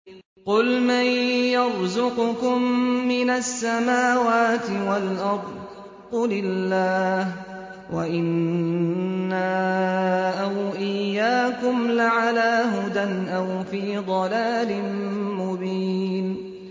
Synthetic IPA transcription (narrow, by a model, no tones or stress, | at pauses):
qʊlmajːɑɾˤzʊqʊkʊmːɪnasːamaːwaːt̪ɪwalʔɑɾˤ | ʊlɪlːaːh | waʔɪnː | a | ʔawʔɪjːaːkʊmlaʕalaːɦʊd̪anʔawfiːd̪ˤɑlaːlɪnmʊbiːn